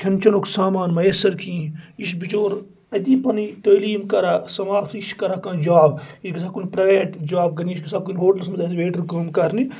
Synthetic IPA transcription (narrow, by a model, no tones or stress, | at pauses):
kʲʰɐnt͡ʃɐnokʰsaːmaːnmɐjɐsɐɾkĩːiʃbit͡ʃoːɾ | ɐd̪ipɐnit̪ɐːliːmkɐɾasɐmaːpiʃkɐɾakãːd͡ʒaːbiʃɡɐsakunpɾɐʋeːʈd͡ʒaːb̚ɡɐniiʃɡɐsʰab̚kunɦoːʈɐlsmɐɐsʋeːʈɐɾkəmkɐɾni